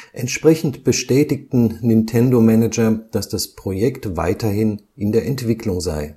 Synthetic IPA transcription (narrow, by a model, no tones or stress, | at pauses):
ʔɛntʃpʁ̥ɛçn̩tb̥əʃtɛːtɪktn̩nɪntʰɛndomɛnɛd͡ʒɐd̥asd̥aspʁ̥ojɛktva̰ɪtɐhɪn | ʔɪndeːɐɛntv̥ɪklʊŋza̰ɪ